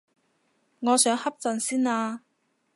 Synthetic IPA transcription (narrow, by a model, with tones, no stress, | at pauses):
ŋɔː˨˧sœː˨˥ŋhɐ˥p̚t͡sɐ˨˧nsiː˥naː˧